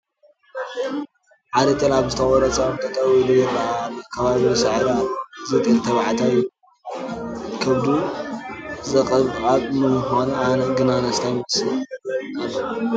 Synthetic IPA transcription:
ʕad̪ɐt̪ʰɐlaβzɨt̪ʰɐɣɔɾɐt͡sʼamt̪ʰɐt̪ʼɐwilujɛlːalkʰɐβaβisɨʕad̪azɨt̪ʼɨlt̪ʰɐβʕat̪ʰaju | kʰɐβd̪u | zɐkʼɐβʔʼatʼnɨmuxananɐɡɨnanast̪ʰajmɐsɨnɐβɐɾu

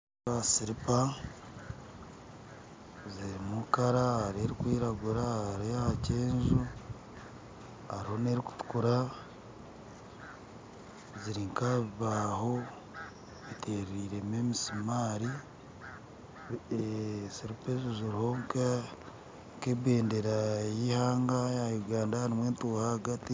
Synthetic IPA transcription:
asiɾipa | ziɾimukaɾaaɾeɾikwiːɾaɡuɾaaɾeaceːnzu | aɾiho̞neɾiku̥tu̥kuɾa | ziɾiŋkaβiβaːho̞ | βitʰe̞ːɾiːɾe̞memisimaːɾi | siɾupezuziɾiho̞ŋka | ŋkebeːndeɾajihaːŋɡajajuɡaːndaaɾimwe̞ːntuːhahaɡati

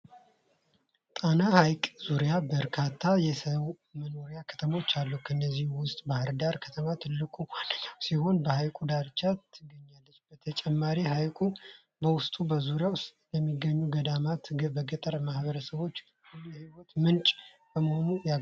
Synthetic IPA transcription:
t̪ʼanahajkʼz̥uɾijabəɾkʰat̪ʰːajɛsəw | məno̞ɾijakʰə̥t̪ʰəmo̞t͡ʃːalːukʰənːəzːihuwʊst̪ʼbahɨɾd̪aɾkʰə̥t̪ʰəmat̪ʰɨlːɨkʼunasiho̞nbəhajkʼud̪aɾt͡ʃːat̪ʰːɨɡːəɲːalːət͡ʃːb̥ət̪ʰət͡ʃʼɛmːaɾiɦajkʼu | bəwʊst̪ʼubəzuɾjawʊsʼjɛmːiɡːəɲːuɡəd̪amat̪ɡbəɡət̪ʼəɾmahβəɾəsəβo̞t͡ʃː | ɛhiwɔt̪mɨnt͡ʃʼ | b̥əməho̞nuja

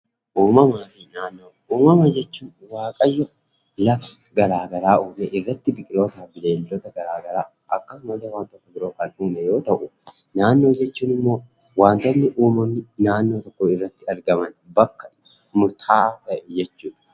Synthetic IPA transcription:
ʔuːmɐmaːt̪iːnaːnːoː | uːmɐmad͡ʒɛt͡ʃːuːnwaːkʼɐjːɔ | lɐf | ɡɐɾaːɡɐɾaːʔuːmɛʔɪrːɐt̪ːɪbɪkʼɪlo̞ːt̪aːbɪle̞ːlːɔt̪ɐɡɐɾaːɡɐɾaː | ɐkːɐsʊmɐd̪ɐwaːnt̪ʼɔkːɐɡɪɾoːkɐnuːmɛjo̞ːt̪ɐʔʊ | naːnːo̞ːd͡ʒɛt͡ʃːuːnɪmːo̞ː | waːnt̪ɐnːɪʔuːmɔnːɪnaːnːoːt̪ɔkːoɪrːɐt̪ːɪɐɾɡɐmɐnbɐkːɐ | mʊɾt̪ʰaːaːt̪ɐʔɛd͡ʒɛt͡ʃːuːᶑɐ̥

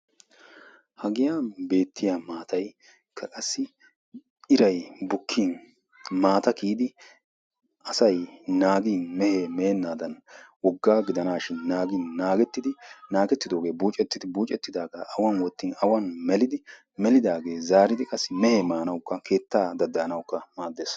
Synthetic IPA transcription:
hɐɡɪjabe̞ːt̪ːɪjamaːt̪ɐj | kʰɐkʼɐsːɪ | ɪɾɐjbʊkʰːiːn | maːt̪ɐkiːd̪ɪ | ʔɐsɐjnaːɡiːnmɛheːmɛɛnːaːd̪ɐnwɔɡːaːɡɪd̪ɐnaːʃɪnːaːɡiːnːaːɡɛt̪ːɪd̪ɪnaːɡɛt̪ːɪd̪o̞ːɡe̞ːbuːt͡ʃʼɛt̪ːɪd̪ɪbuːt͡ʃʼɛt̪ːɪd̪aːɡaːʔɐwɐnwɔt̪ːiːnɐwɐnmɛlɪd̪ɪ | mɛlɪd̪aːɡe̞ːzaːɾɪd̪ɪkʼɐsːɪmɛheːmaːnɐwkːɐkʰe̞ːt̪ːaːd̪ɐd̪ːɐnɐwkːɐmaːd̪ːeːs

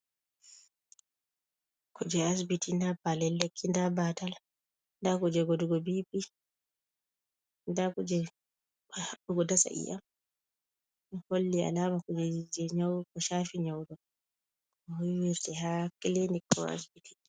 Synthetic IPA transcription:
kʰud͡ʒɛas̬bitindapːalɛlːekʰːindabatal | ndakud͡ʒɛɡoduɡɔbipi | ndakud͡ʒɛ | haɓuɡɔdasa̰ʔḭja̰m | holːia̰lamakud͡ʒɛd͡ʒɛɲawkɔʃaːfiɲawdɔ | ɔhujwiɾtɛhakilenikːɔ̰a̰sbiti̥

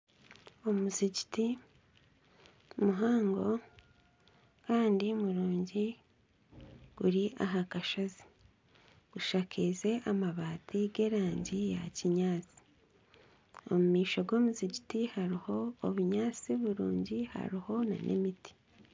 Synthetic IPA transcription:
omuziɟiti | muɦaːŋɡo̞ | kaːndimuɾuːɲɟi | ɡ̥uɾiʔaɦakaʃozi̥ | ɡ̥uʃaːkʰize̞ʔamaβaːtiɡe̞ːɾaːɲɟijaciɲaːt͡si̥ | o̰mumiːʃo̞ɡo̞ːmuziɟitihaɾiho̞ːβuɲaːt͡siβuɾuːɲɟiha̰ɾiho̞na̰nʔḛmiti̥

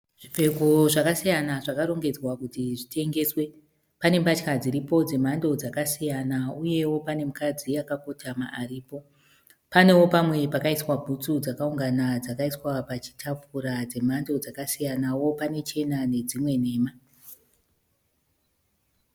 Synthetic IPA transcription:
ʐ̥ivʱe̞koʐakasijanaʐakaɾo̞ŋɡe̞d͡zwakutiʐite̞ŋɡe̞swe̞ | pane̞mbat͡ʃkad͡ziɾipo̞d͡ze̞m̤ando̞d͡zakasijanauje̞wo̞pane̞mukad͡ziakako̞tʰamaʔːriːpo̞ | pane̞wo̞pamwe̞pakaiswabʱut͡sud͡zakauŋɡanad͡zakaiswapat͡ʃi̥tʰap͡fuɾad͡ze̞m̤ando̞d͡zakasijanawo̞pane̞t͡ʃe̞nane̞d͡zimwe̞ne̞ːma

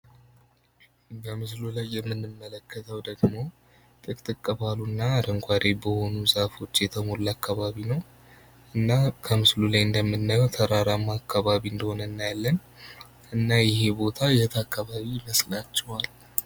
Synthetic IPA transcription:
bəmɨslulajːɛmːɨnːɨmːələkːət̪ʰəwd̪əɡmo̞ | t̪ʼɨkʼt̪ʼɨkʼːəβalunːaːɾəŋɡʷʰaɾebəhonuzafo̞t͡ʃːjɛt̪ʰəmo̞lːakːaβaβinəw | ɨnːakʰəmɨslulajɨnd̪əmːɨnːəjt̪ʰəɾaɾamːaakːaβaβiɨnd̪əho̞nəɨnːajalːən | ɨnːajɪɦe̞bo̞t̪ʰajɛt̪ʰakʰːaβaβiməslat͡ʃːɛwal

